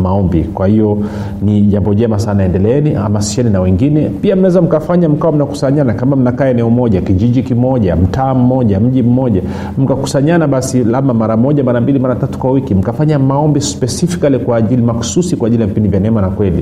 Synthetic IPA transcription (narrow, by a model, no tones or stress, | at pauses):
maɔmbḭkwahijɔ | niʄambɔʄɛmasanaɛndɛlɛɛniʔa̰masi̥ʃɛninawɛŋɡinɛpiam̩nawɛzam̩kafaɲam̩kawam̩naku̥saɲanakamam̩nakaːɛnɛɔmɔʄakiʄiʄikimɔʄam̩taːm̩mɔʄam̩ʄim̩mɔʄa | m̩kaku̥saɲanaɓasilamamaɾamɔʄamaɾambilimaɾatatu̥kwawikim̩kafaɲamaɔmbispɛsifi̥kalikwaːʄilimaku̥susikwaːʄilijavipindivjanɛmanakwɛlḭ